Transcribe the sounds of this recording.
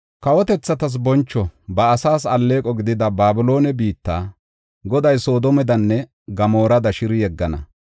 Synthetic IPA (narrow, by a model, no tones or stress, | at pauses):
kɐwɔt̪ɛt͡sːɐt̪ɐs̬bɔnt͡ʃːɔbɐːsaːsɐlːe̞ːkʼɔɡɪd̪ɪd̪ɐbaːbɪlo̞ːnɛbiːt̪ːaː | ɡɔd̪ɐjso̞ːd̪ɔmɛd̪ɐnːɛ | ɡɐmo̞ːɾɐd̪ɐʃɪɾɪjɛɡːɐnɐ̰